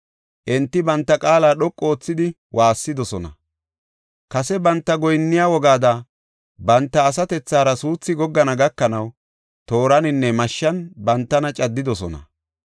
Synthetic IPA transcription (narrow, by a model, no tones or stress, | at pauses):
ʔɛnt̪ːɪbɐnt̪ːɐkʼaːlaːɗɔkʼːo̞ːt͡sːɪd̪ɪ | wʔaːsːɪd̪ɔsɔnɐ̰ | kɐsɛbɐnt̪ːɐɡɔjnːɪjawɔɡaːd̪ɐ | bɐnt̪ːɐːs̬ɐt̪ɛt͡sːaːɾɐsuːt͡sːɪɡɔɡːɐnɐɡɐkːɐnɐw | t̪o̞ːɾɐnɪnːɛmɐʃːɐnbɐnt̪ːɐnɐt͡ʃʼɐd̪ːɪd̪ɔsɔnɐ̰